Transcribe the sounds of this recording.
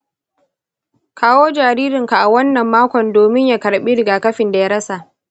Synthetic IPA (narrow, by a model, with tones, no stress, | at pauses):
kʰaː˦woː˦d͡ʒaː˨ɾiː˦ɾɪ˨ŋka˨ʔa˨wɐ˦nːɐ˨mːaː˦kʷɔ˨ndoː˨mɪ˦ɲja˨kɐ˨ɽɓiː˦ɾɪ˨ɡaː˨kɐ˦ɸɪ˨nda˨ja˦ɽɐ˦sa˨ʔ